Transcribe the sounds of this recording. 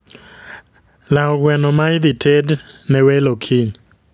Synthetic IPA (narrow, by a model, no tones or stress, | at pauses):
laɔɡwɛnɔmajd̪itʰednɛwɛlokʰiɲ